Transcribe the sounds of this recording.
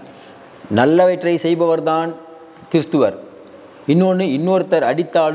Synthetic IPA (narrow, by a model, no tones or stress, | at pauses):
nɐlːɐʋɐʈrɐɪsɛjbɐʋɐɾðaːn | kɪɾɯst̪ɯʋɐɾ | ɪnːoːnɯɪnːoːɾt̪ːɐɾɐɽɪt̪ːaːlɯ